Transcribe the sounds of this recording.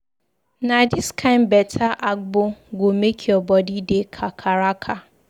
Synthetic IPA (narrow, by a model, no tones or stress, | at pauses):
nadiskʰãɪ̃nbɛtʰaʔak̚bʊɡomekʰiɔbɔdidekʰakʰaɾakʰa